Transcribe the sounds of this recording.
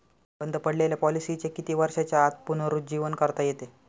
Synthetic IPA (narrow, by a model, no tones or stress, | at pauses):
bənd̪ʱəpəɽleljapɔlisit͡ɕekit̪iːʋəɾʂat͡ɕjaːt̪̚punəɾud͡ʑiʋənkəɾt̪ajet̪e